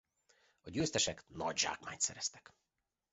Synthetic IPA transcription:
ɒɟøːst̪ɛʃɛknɒ̰ɟʒa̰ːkmaːɲt̪sɛɾɛst̪ɛ̥k

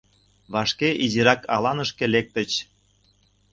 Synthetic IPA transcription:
βɑʃkeʔiziɾɑkɑlɑnəʃkelek̚t̪ə̆t͡ɕ

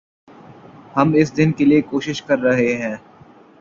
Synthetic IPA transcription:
hɐmɪsd̪ɪnkeliekoːʃɪʃkɐɾːɐɦeɦɛ̃ː

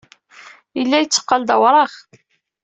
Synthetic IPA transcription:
jəlːæjət͡sːə̥qːɑld̪əwɾˤɑχ

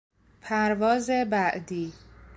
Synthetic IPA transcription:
pʰæɾvɒːzebæʔd̪iː

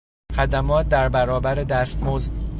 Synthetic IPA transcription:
xæd̪æmɒːt̪̚d̪æɾbæɾɒːbæɾed̪æːst̪mozd̪

